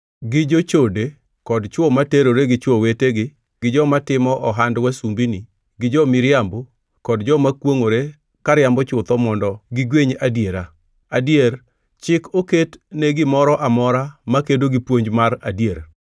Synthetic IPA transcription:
ɡɪd͡ʒot͡ʃode | kɔdt͡ʃwɔmateɾoɾeɡɪt͡ʃwoweteɡɪ | ɡ̥ɪd͡ʒɔmatɪmɔʔɔɦandwasumbini | ɡɪd͡ʒɔmɪɾjambo | kɔdd͡ʒɔmakwoŋoɾe | kaɾjambɔt͡ʃʊt̪ɔmɔndɔɡɪɡweɲadjeɾa | adjeɾ | t͡ʃɪkoketneɡɪmɔɾɔʔamɔɾamakedoɡɪpwoɲd͡ʒmaɾadjeɾ

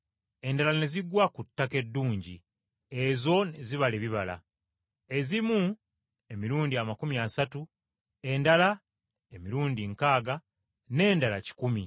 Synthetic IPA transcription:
e̞ndalane̞ziɡwakutːake̞dːuːɲɟḭ | e̞zo̞neziβaleβiβala̰ | e̞zimu | e̞miɾuːndiamakumiasatu | e̞ndala | e̞miɾuːndiŋkaːɡa | ne̞ːndala̰ci̥kumi

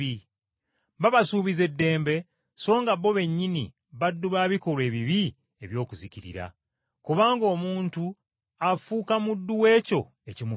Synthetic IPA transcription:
i | βaβasuːβize̞dːe̞ːmbe̞ | so̞ːŋɡaβːo̞βe̞ɲːinḭ | βadːuβaːβiko̞le̞ːβiβi | e̞βjo̞ːkuziciɾḭɾa̰ | kuβaːŋɡo̞ːmuːntu | afuːkamudːuwe̞ːco̞ | e̞cimu

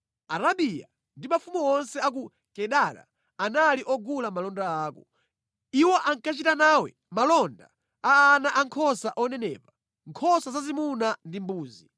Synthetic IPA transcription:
aɾaɓija̰ | ndimafumuɔnsɛak̬u | kɛɗaɾa̰ | analiʔɔɡulamalɔndaaːkɔ | iwɔʔaŋkat͡ʃitanaːwɛ | malɔnda̰ | aːnaʔaŋkʰɔsaʔɔnɛnɛ̰ːpa | ŋkʰɔsazazimunandimbuːzi

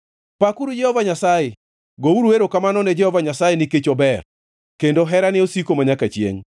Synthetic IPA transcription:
pakuɾud͡ʒɛhɔvaɲasaje | ɡouɾuweɾokamanɔnɛd͡ʒɛhɔvaɲasajenɪket͡ʃobɛr | kendoɦɛɾanɪosikomaɲakat͡ʃjḛŋ

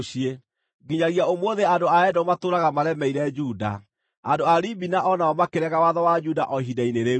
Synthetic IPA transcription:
ɕie | ɡiɲaɣiaomwoðeandoaɛdɔmatoːɾaɣamaɾɛmɛiɾɛd͡ʒuːda̰ | andoaɾibinaʔɔnaɔmakeɾɛɣawaðɔwad͡ʒudaʔɔɦidaineɾe

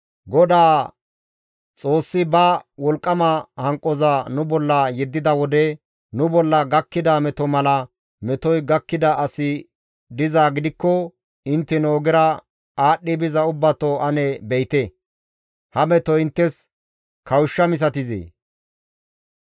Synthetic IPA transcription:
ɡɔd̪aː | t͡sʼo̞ːsːɪbɐwɔlkʼːɐmɐhɐŋkʼːɔzanʊbɔlːɐjɛd̪ːɪd̪ɐwɔd̪ɛ | nʊbɔlːɐɡɐkːɪd̪ɐmɛt̪ɔmɐlɐ | mɛt̪ɔjɡɐkːɪd̪ɐʔɐsɪ | d̪ɪzaːɡɪd̪ɪkːɔ | ɪnt̪ːɛnoːɡɪɾɐ | aːɗːɪbɪzɐʊbːɐt̪ɔɐnɛbɛjt̪ɛ | hɐmɛt̪ɔɪnt̪ːɛs | kʰɐwʃːɐmɪs̬ɐt̪ɪzḛː

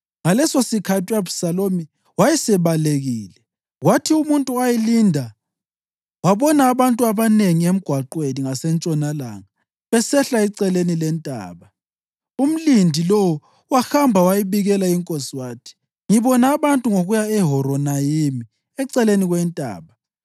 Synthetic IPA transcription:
ŋalɛsosikʰatʰiabʱusalomi | wajɛsɛβaleɣiːlɛ | ɣwatʰiumuntʼuajilindʱa | waβɔnaːβantʼuaβaneŋiem̩ɡ̥ʱwaǃweniŋasɛnt͡ʃʼɔnala̰ŋa | βɛsɛɬaiǀɛlenilɛntʼa̰ːβa | um̩lindʱilowu | waxambʱawajiβiɣɛlaiŋkʼosiwaːtʰi̥ | ŋiβɔnaːβantʼuŋoɣujaɛɦɔɾɔnajimi | ɛǀɛleniɣwɛntʼa̰ːβa

